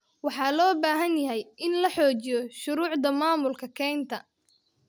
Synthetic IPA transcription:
wɑħɑːlɔːbaːɦɐnjɐɦɛjɪnlɐħɔːt͡ʃɪjɔʃʊɾuːʕd̪ɐmaːmʊlkʰɐkʰɛːnt̪ʰɐ

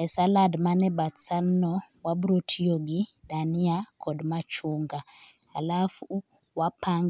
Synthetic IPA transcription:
ɛsaladmanɛbasanɔ | wabuɾotʰijoɡidaniakʰɔdmat͡ʃuŋɡa | alafu | wapʰaŋɡ

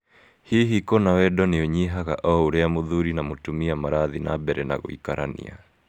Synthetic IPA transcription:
hiːɦikɔnawɛɗɔniɔɲiɦaɣaʔɔuɾɛamuðuɾinamutumiamaɾaðina̰bɛɾɛna̰ɣṵḭkaɾa̰nḭa

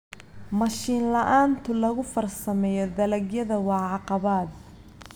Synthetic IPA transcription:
mɐʃiːnlɐʔaːnt̪ʰʊlɐɣʊfɐrsɐmɛjɔd̪ɐlɐɡjɐðɐwɑʕɑqɑβaːd̪̚

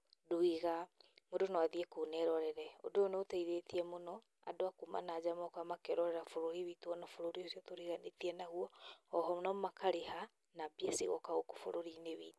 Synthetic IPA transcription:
duiɣamodonɔaðiɛkonɛɾɔɾɛɾɛo̰doonotaiɾetiɛmonɔ | a̰doakuma̰naːd͡ʑamɔkɔamakɛɾɔɾɛɾafoɾoɾiβituɔnɔfoɾoɾiosiɔtoɾiɣanetiɛnaɣuɔɔɦɔnɔmakaɾeɦa | nabiɛsḭɣɔ̰kaɣoko̥fo̰ɾoɾineβiːtu̥

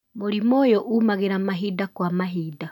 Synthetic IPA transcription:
moɾimoːjɔʔuːmaɣeɾamaɦiːdakwamaɦiːda

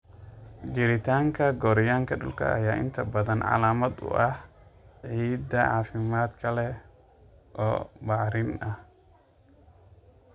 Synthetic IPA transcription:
d͡ʒɪɾɪt̪ʰaːŋkʰɐɡɔːɾɪjaːŋkʰɐɖʊ̰lkʰɐ̰ʔɐ̰jaːʔɪ̰nt̪ʰɐbɐðɐnʕɑ̰laːmɐd̪ʊ̰ʔɐhʕiːd̪ɐʕaːfɪmaːd̪kʰɐlɛ | ʔɔːbaʕɾɪnɐh

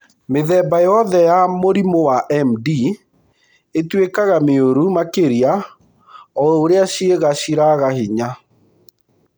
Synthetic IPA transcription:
meðɛbajɔðɛjamoɾimowaʔɛmdi | etwekaɣameoɾumakeɾia | ɔoɾeaɕieɣaɕiɾaɣahiɲa

